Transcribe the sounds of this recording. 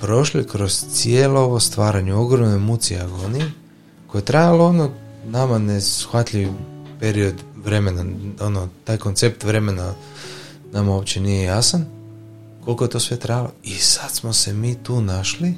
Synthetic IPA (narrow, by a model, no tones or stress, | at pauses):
pɾo̞ʃlikɾo̞zt̪sijeːlooʋost̪ʋaːɾaɲeo̞ɡɾo̞mnemut̪siaɡo̞nije | ko̞je̞t̪ɾajaloononamane̞sxʋat̪ʎʲiʋipeɾio̞d̪ʋɾe̞me̞nao̞not̪aːjko̞nt̪se̞pt̪ʋɾe̞me̞na | namao̞ːpt͡ɕe̞nijejasan | ko̞lko̞je̞t̪o̞ːsʋe̞t̪ɾajalo̞isat̪smo̞se̞miːt̪uːnaʃli